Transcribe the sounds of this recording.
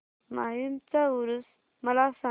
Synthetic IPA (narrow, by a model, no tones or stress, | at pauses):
maɦimt͡sauɾus | məlasã